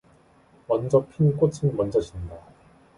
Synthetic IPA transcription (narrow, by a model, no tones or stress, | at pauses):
mʌnd͡ʑʌpʰink͈ot͡ɕʰɯnmʌnd͡ʑʌɕinda